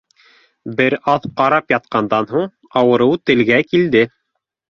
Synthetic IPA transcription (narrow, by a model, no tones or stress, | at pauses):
bɘɾɑðqɑɾɑpjɑt̪̚qɑnd̪ɑnɦuɴ | ɑwɤ̆ɾɤwt̪ɘ̆lɡækild̪ɘ